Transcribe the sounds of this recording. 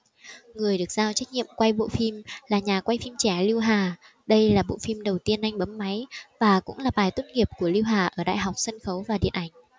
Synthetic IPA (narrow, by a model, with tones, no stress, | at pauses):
ŋɨ˨˩əjɗɨ˨˩ək̚z̥aː˧wt͡ɕa˦˥k̟̚ɲḭ˧˨əmkwa˧jɓo̰˧˨fi˧mlaː˨˩ɲaː˨˩kwa˧jfi˧mt͡ɕɛ˧˩li˧wɦaː˨˩ | ɗə˧jlaː˨˩ɓo̰˧˨fi˧mɗə˨˩wt̪i˧ənʔa˧jŋ̟ɓə˨˦mːa˨˦jvaː˨˩kʊ̰˧˥ŋ͡mlaː˨˩ɓaː˨˩jt̪wə˦˧nŋi˨˩əp̚ku˧˩əli˧wɦaː˨˩ʔəː˧˩ɗa̰ː˧˨jɦɔ˨˩wk͡p̚sə˧nxə˨˦wvaː˨˩ɗḭ˧˨ənʔa˧˩jŋ̟